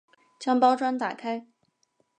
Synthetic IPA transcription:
t͡ɕjɑ˥ŋpɑ˥ʊʈ͡ʂwa˥nt̪a̰˨˩kʰa˥ɪ

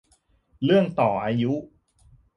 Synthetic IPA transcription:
ɾɯ˥˩əŋt̪ɔː˨˩ʔaː˧ju˦˥

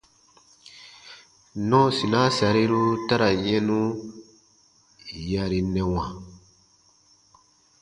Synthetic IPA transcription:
nɔ̃˦si˨nã˦sa˨ɾi˦ɾu˦ta˦ɾa˨ɲɛ̃˦nũ˦ | ja˧ɾi˨nɛ̃˨wã˨

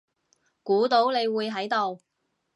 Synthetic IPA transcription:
kuː˨˥t̪o˨˥wne˨˧jwuː˨˧jɦɐ˨˥jt̪o˨w

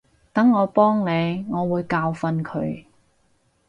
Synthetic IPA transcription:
t̪ɐ˨˥ŋːɔː˨˧pɔː˥ŋne˨˧jŋɔː˨˧wuː˨˧jkaː˧wfɐ˧nkʰɵ˨˧ɥ

